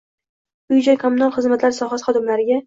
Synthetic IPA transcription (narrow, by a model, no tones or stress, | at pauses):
ʊjd͡ʒakʰomʊnalˠχɨzmat̪laɾsɒɦɑsχɒd̪ɪmlaɾɪɡʲa